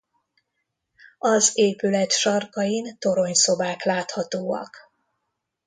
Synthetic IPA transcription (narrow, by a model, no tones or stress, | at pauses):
ɒzeːpylɛt̪ʃɒrkɒjint̪o̞ɾo̞ɲso̞baːklaːt̪hɒt̪oːɒ̰k